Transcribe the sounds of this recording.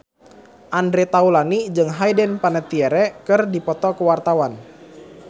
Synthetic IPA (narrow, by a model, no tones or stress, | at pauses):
ʔandɾɛt̪aulanid͡ʒɨŋɦajdɛnpanɛt̪iɛɾɛkɨrdipɔt̪ɔkəwart̪awan